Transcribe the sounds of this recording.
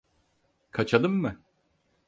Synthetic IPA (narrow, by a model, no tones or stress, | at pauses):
kʰat͡ʃʰad̪ɯmːɯ